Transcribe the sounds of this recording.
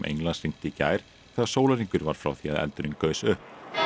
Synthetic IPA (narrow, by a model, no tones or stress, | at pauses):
mʔḛjŋlansɾiŋ̥t̪ɪca̰ːjɾ̥ | θɛɣaɾ̥soːwlaɾiŋkʏɾvaɾ̥fɾa̰wθia̰ðɛ̰lt̪ʏɾɪnkœːɥsʏhp